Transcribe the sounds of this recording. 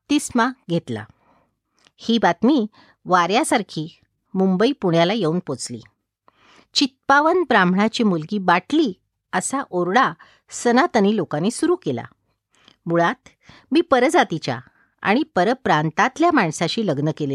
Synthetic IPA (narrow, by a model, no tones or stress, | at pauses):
t̪ismaɡʱet̪la̰ | hiːbat̪miː | ʋaɾjasaɾkʰiː | mumbəipuɳjalajeuːnpot͡slḭː | t͡ɕit̪̚paʋənbɾãmbʱɽat͡ɕimulɡiːbaʈli | əsaʔoɾɽa | sənat̪ənilokanesuɾuːkela̰ | muɭat̪ | miːpəɾd͡zat̪it͡ɕja̰ | a̰ɽ̃ipəɾəpɾant̪at̪ljamaɳsaɕiːləɡnəkele